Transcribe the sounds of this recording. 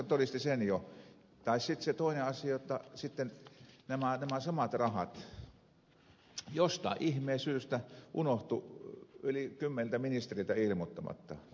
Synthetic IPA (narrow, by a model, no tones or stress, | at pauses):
t̪orist̪isenjo | t̪ɑissit̪set̪oˑineɑsiɑjot̪ːɑsit̪ːennæmænæmæsɑmɑt̪rɑhɑt̪ | jost̪ɑ̰ʔihmeːsyːst̪æʔunoht̪uylikymːenlt̪æminist̪erilt̪æilmot̪ːɑmɑ̰t̪ːɑ